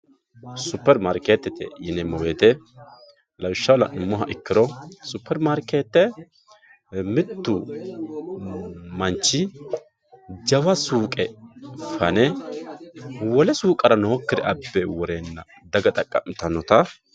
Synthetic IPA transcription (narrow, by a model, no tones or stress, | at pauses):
sʊpːɛɾmaɾkeːt̪ːɛt̪ɛ̰jɪnɛmɔweːt̪ɛ | lʔɐwɪʃːɐwlɐnʊmːɔɦɐʔɪkːɪɾɔsʊpːɛɾmaɾkeːt̪ːɛ | mɪt̪ːʊ | mɐnt͡ʃːɪ | d͡ʒɐwɐsuːkʼɛfɐnɛ | wɔlɛsuːkʼɐɾɐnɔhɔkːɪd̪ɛʔɐbːɛwɔɾeːnːɐ | d̪ɐɡɐt̪ʼɐkʼːɐmɪt̪ɐnɔt̪ɐ